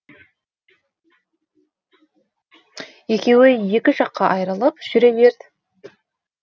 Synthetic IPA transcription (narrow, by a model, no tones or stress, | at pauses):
je̞kʲe̞wɪje̞kʲɪʒɑqːɑʔɑjɾɑlˠɑpʒ̥ʏɾe̞ve̞ɾd̪ɪ